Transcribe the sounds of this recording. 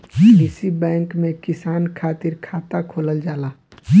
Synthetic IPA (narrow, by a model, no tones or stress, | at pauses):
ɪsibɛ̃ːŋkmẽkɪsaːnkʰaːt̪ɪɾkʰaːt̪akʰoːləld͡ʒaːlaː